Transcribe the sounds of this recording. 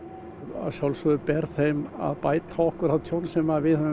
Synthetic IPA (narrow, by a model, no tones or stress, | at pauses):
a̰sjawlsɔðʏpɛɾθejma̰ðpaːjt̪ʰaɔhkʏɾaðt̪ʰjownsɛmavɪð